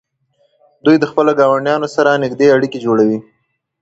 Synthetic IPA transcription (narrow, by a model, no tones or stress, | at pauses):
d̪ujd̪əxpəloɡɑwaɳɖjɑnosaɾanɪɡd̪eaɽiked͡ʒoɽawi